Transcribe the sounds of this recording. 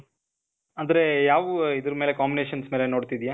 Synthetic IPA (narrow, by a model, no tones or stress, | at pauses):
ɐnd̪ɐɾe̞jaːʋuid̪ɐɾmele̞kaːmbineːʃɐnsmeːleno̞ːɖt̪id̪ijaː